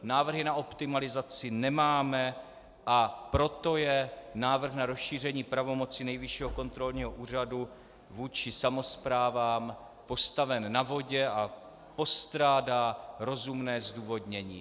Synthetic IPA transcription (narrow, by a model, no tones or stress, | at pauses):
naːvr̩ɦɪnaʔo̞pt̪ɪmalɪzat͡sɪnɛmaːmɛ | ʔapɾo̞t̪o̞jɛnaːvr̩xnaɾo̞sʃiːr̝ɛɲiːpɾavo̞mo̞t͡sɪnɛjvɪʃiɦoko̞nt̪ɾo̞lɲiːɦoʔuːr̝adu | vuːt͡ʃɪsamo̞spɾaːvaːm | po̞st̪avɛnːavo̞ɟɛʔa | po̞st̪ɾaːdaːɾo̞zumnɛːzduːvo̞dɲɛɲḭː